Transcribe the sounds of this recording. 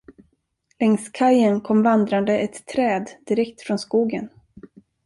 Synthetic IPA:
lɛŋskʰajənkʰɔmvand̪ɾand̪əʔɛt̪ʰːɾɛːd̪d̪ɪɾɛkt̪fɾɔnskuːɡən

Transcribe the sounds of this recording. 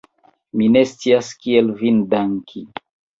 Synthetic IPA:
mine̞st͡siaskielvindaŋkʰi

